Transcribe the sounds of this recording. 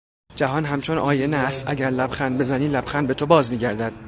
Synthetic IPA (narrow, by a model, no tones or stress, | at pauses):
d͡ʒæɦɒːnɦæmt͡ʃʰonʔɒːjenæst̪æɟæɾlæbxænbe̞zæniːlæbxænbe̞t̪ʰobɒːzmiːɟæɾd̪æd̪̥